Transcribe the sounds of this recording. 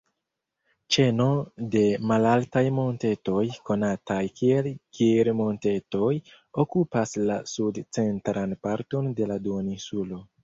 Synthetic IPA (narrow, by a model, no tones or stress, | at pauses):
t͡ʃe̞no̞de̞malaltajmo̞nte̞to̞jko̞natajkielɡiɾmo̞nte̞to̞j | o̞kupaslasudt͡se̞ntɾanpaɾto̞nde̞laduonisulo̞